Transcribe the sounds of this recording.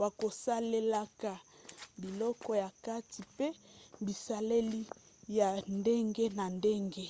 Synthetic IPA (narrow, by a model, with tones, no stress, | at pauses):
wa˨ko˨sa˦le˦la˦ka˨bi˨lɔ˦kɔ˦ja˨ka˦ti˨pe˦bi˨sa˦le˦li˦ | ja˨nde˦ŋɡe˦na˨nde˦ŋɡe˦